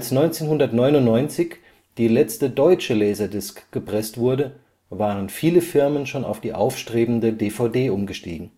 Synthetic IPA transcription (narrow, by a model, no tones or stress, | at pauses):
lsnɔʏnt͡seːnhʊndɐtnɔʏnʊnnɔʏnt͡sɪç | d̥iːlɛt͡stədɔʏt͡ʃəlɛːzɐdɪskɡ̥əpʁ̥ɛstv̥ʊɐdə | vaːʁənfiːləfɪɐmənʃoːna̰ʊfd̥iːʔaʊfʃtʁ̥eːbm̩dədeːfaʊdeːʔʊmɡəʃtḭːɡŋ̩